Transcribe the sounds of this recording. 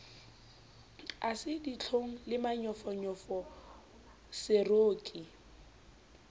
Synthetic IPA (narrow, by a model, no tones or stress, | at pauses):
asɪdit͡ɬʰoŋ̩lɪmaɲɔfɔɲɔfɔ | sɪroːkʼi